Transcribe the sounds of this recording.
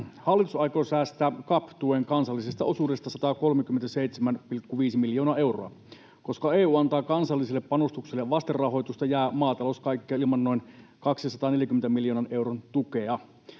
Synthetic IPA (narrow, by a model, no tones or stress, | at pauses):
hɑlːit̪usɑjkosæːst̪æːkɑpt̪ueŋkɑnsɑlːisest̪ɑʔosuːdest̪ɑsɑt̪ɑːko̞lmekymːent̪æseit̪semænpilkːuʋiːsimiljo̞ːnɑːʔe̞wro̰ɑ | ko̞skɑeːuːɑnt̪ɑːkɑnsɑlːiselːeppɑnost̪ukselːeʋɑst̪errɑɦo̞jt̪ust̪ɑjæːmɑːt̪ɑloskɑjkːiɑilmɑnːo̞inkɑksisɑt̪ɑːneljækyment̪æmiljoːnɑne̞wront̪ukeɑ